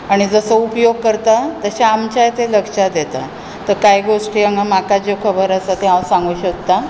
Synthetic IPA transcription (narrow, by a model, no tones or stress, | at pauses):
aɽ̃id͡zəsəupjoɡ̚kːəɾt̪at̪əɕaamt͡ɕajt̪eləkʂad̪et̪a̰ | t̪əɾkajɡoʂʈiːəŋɡamakad͡ʑokʰəbəɾəsat̪ɛɦãsãŋɡuːɕək̚t̪a